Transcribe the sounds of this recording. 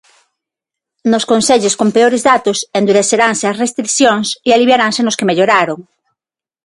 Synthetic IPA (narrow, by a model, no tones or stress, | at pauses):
noskonseʎoskompeoɾezðat̪osend̪uɾeθeɾaŋseasrest̪ɾiθjoŋsialiβjaɾaŋsenoskemeʎoɾaɾoŋ